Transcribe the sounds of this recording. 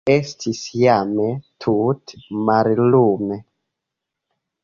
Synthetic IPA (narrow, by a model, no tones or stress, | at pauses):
estʰisjametʰutmaɾlume